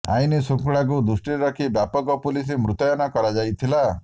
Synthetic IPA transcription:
a̰jnisuŋkɭak̬ud̪usʈiɾɔkʰibjapɔɡɔpulis̬imɾut̪ɔjɔnɔkɔɾad͡ʒajt̪ʰila

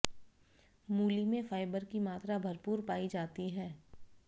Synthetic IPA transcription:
muːlimẽfaːɪbəɾkimaːt̪ɾabʱɐɾpuːɾpaːid͡ʒaːt̪iɦɛː

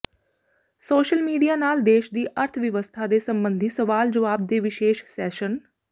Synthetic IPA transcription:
soːʃəlmiːɖijaːnaːld̪eːʃd̪iːʔəɾt̪ʰʋəʋəst̪ʰaːd̪eːsəmbənd̪ʱiːsəʋaːld͡ʒəʋaːb̚d̪eːʋɪʃeːʃsɛːʃən

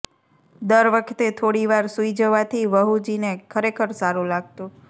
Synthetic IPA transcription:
d̪əɾʋəkʰt̪et̪ʰoɽiʋaɾsuid͡ʒəʋat̪ʰiʋəɦud͡ʒinekʰəɾekʰəɾsaɾulaɡ̚t̪ũ

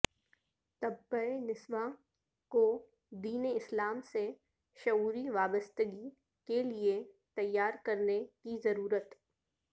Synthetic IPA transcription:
t̪ɐbːəenɪsʋa | ko | d̪iːneɪslaːmse | ʃɐuːɾiʋaːbəst̪əɡi | kelie | t̪ɐjːaːɾkɐɾnekizɐɾuːɾət̪

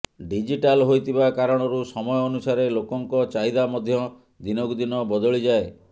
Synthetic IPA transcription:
ɖid͡ʒiʈalɦojt̪ʰibakaɾɔɽ̃ɔɾusɔmɔjɔːnusaɾelokɔŋkɔt͡ʃaɦid̪amɔd̪ʱjɔ | d̪inɔkd̪inɔbɔd̪ɔɭid͡ʒae

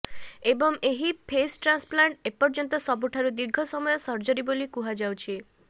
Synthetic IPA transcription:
ebɔŋeɦipʰesʈɾansplaɳʈepɔɾd͡ʒɔnt̪ɔsɔbuʈʰaɾud̪iɾɡʱɔsɔmɔjɔsɔɾd͡ʒɔɾibolikuɦad͡ʒawt͡ʃʰi

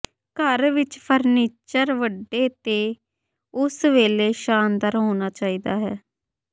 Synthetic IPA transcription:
kəɾʋɪt͡ʃpʰəɾniːt͡ʃəɾʋəɖːeːt̪eː | ʊsʋeːleːʃaːnd̪əɾɦoːnaːt͡ʃaːiːd̪aːɦɛː

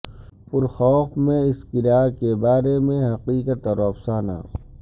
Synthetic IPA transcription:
pʊɾxɔːfmẽɪskɪɾaːkebaːɾemẽɦɐqiːkət̪ɔɾɔːpsaːna̰ː

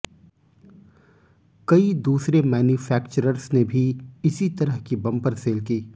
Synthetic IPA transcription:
kɐid̪uːsɾemɛːnjuːfʰɛːkt͡ʃəɾəɾsnebʱiɪsit̪ɐɾəɦkibɐ̃mpəɾseːlkiː

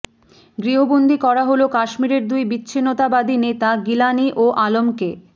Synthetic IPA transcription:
ɡɾiɦobond̪ʱikɔɾaɦolokaʃmiɾeɾd̪ujbitːɕʰinːot̪abad̪ʱinet̪aɡilaniʔoʔalomke

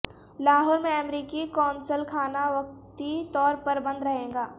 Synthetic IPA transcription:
laːɦɔːɾmẽɐmɾiːkikɔːnsəlkʰaːnaʋɐk̚t̪it̪ɔːɾpɐɾbɐ̃nd̪ɾɐɦẽːŋɡaː

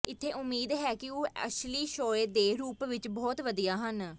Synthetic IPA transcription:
ɪt̪ʰːeːʔʊmːiːd̪ɦɛːkɪoːə̰ʃliːʃoːeːd̪eːɾuːpʋɪt͡ʃbɔːt̪ʋəd̪ijaːɦən

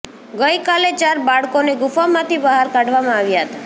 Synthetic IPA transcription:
ɡəjkalet͡ʃaɾbaɭkoneɡʊfamãt̪ʰibəɦaɾkaɖʱʋamãaʋjaɦət̪a

